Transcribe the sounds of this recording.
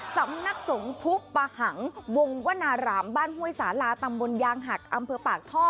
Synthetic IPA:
sa˩˦mna˦˥k̚so˩˦ŋp̪ʰu˦˥ʔpaː˧ha˩˦ŋwo˧ŋwa˦˥naː˧ɾaː˩˦mbaː˥˩nɦu˥˩əjsaː˩˦laː˧t̪a˧mbo˧njaː˧ŋɦa˨˩k̚ʔa˧mpʰɤː˧paː˨˩k̚t̪ʰɔː˥˩t̚

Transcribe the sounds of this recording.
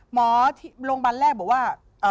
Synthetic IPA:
mɔː˨˦t̪ʰi˥˩loː˧ŋba˧nlɛː˥˩k̚bɔː˨˩˦kwaː˥˩ | ʔɤː˧˩

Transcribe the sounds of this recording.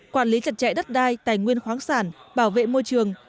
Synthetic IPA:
kwaː˧˩nli˨˦t͡ɕə˨˩t̚t͡ɕa̰˧˨jɗə˦˥t̚ɗaː˧jt̪aː˨˩jŋwi˧ənxwaː˨˦ŋsaː˧˩nɓaː˧˩wvḛ˧˨mo˧jt͡ɕɨ˨˩əŋ

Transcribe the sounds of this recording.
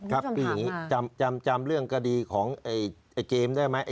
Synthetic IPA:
kʰa˦˥kɯː˧jaː˨˩ŋːiː˦˥t͡ɕa˧mt͡ɕa˧mt͡ɕa˧mɾɯ˥˩əŋka˧diː˧kʰɔː˩˦ŋʔʔa˧˩ʔa˨˩jkeː˧mdaː˥˩jma˦˥jʔa˨˩

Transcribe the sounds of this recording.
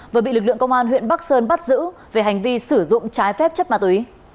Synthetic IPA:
vəː˨˩ɓḭ˧˨lɨ˨˩k̚lɨ̰˧˨əŋkə˧wŋ͡mʔaː˧nɦwḭ˧˨ənɓa˦˥k̚səː˧nɓa˦˥t̚zɨ̰˧˥ve˨˩ɦa˨˩jŋ̟vi˧sɨ˧˩zʊ̰˧˨ŋ͡mt͡ɕaː˨˦jfɛ˦˥p̚t͡ɕə˦˥p̚maː˧˩t̪wi˨˦

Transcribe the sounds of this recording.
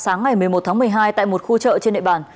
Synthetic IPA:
saː˨˦ŋːa˨˩jmɨ˨˩əjmo˨˩t̚t̪ʰaː˨˦ŋmɨ˨˩əjɦaː˧jt̪a̰ː˧˨jmo˨˩t̚xu˧t͡ɕə̰ː˧˨t͡ɕe˧nɗ̰ɓaː˨˩n

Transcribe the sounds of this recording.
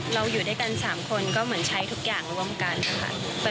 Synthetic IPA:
ɾa˧wjuː˨˩daː˥˩jka˧nsaː˩˦mkʰo˧nkɔː˥˩mɯ˩˦ənt͡ɕʰa˦˥jt̪ʰu˦˥k̚jaː˨˩ŋɾu˧˥˩ə˨mka˧na˧˩kʰa̰˧˥˩

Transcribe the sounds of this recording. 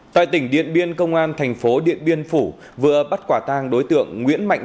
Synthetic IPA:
t̪a̰ː˧˨jt̪ï˧˩ŋ̟ɗḭ˧˨ənɓi˧ənkə˧wŋ͡mʔaː˧nt̪ʰa˨˩jŋ̟fo˨˦ɗḭ˧˨ənɓi˧ənfu˧˩ | vɨ˨˧˩əɓa˦˥t̚kwaː˧˩t̪aː˧ŋɗo˨˦jt̪ɨ̰˧˨əŋːŋwḭ˧˥ənma̰˧˨ŋ

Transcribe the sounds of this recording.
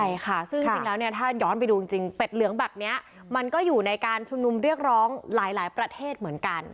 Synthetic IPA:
jkʰa˥˩sɯ˥˩ŋ˧siŋlɛː˦˥wni˥˩ɐt̪ʰaː˥˩jɔː˦˥npa˧jduː˧t͡ɕi˧ŋt͡ɕi˧ŋpe˨˩t̪̚lɯ˩˦əŋbɛː˨˩p̚ni˦˥ɐ | ma˧nkɔː˥˩juː˨˩na˧jkaː˧nt͡ɕʰu˧mnu˧mɾi˥˩ək̚ɾɔː˦˥ŋlaː˩˦jlaː˩˦jpɾa˧t̪ʰeː˥˩t̪̚mɯ˩˦ənka˧n

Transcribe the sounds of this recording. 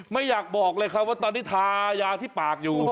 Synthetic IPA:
ma˥˩jːaː˨˩k̚bɔː˨˩k̚lɤː˧jkʰɾa˦˥p̚waː˥˩t̪ɔː˧nːiː˦˥˩t̪ʰaː˧jaː˧t̪ʰiː˥˩paː˨˩k̚juː˨˩

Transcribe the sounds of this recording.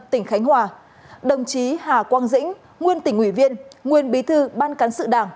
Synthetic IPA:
t̪ï˧˩ŋ̟xa˨˦jŋ̟hɦwaː˨˩ | ɗə˨˩wŋ͡mt͡ɕi˨˦haː˨˩kwaː˧nzḭ˧˥ŋ̟ | ŋwi˧ənt̪ï˧˩ŋ̟ʔwi˧˩vi˧ənŋwi˨˧ənɓi˨˦t̪ʰɨ˧ɓaː˧nka˨˦nsɨ̰˧˨ɗaː˧˩ŋ

